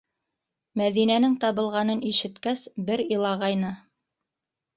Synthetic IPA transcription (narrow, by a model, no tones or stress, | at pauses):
mæðinænɘŋt̪ɑβɤ̆lˠʁɑnɤniʃɘ̆t̪kæsbɘɾɤlˠɑʁɑjnɤ